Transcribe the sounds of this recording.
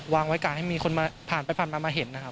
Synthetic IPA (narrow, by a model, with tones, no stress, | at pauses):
waː˧ŋwa˦˥jkaː˨˩ha˥˩jmiː˧xʰo˧nmaː˧pʰaː˨˩npa˧jpʰaː˨˩nmaː˧maː˧ɦe˨˩˦nːa˦˥kʰa˦˥p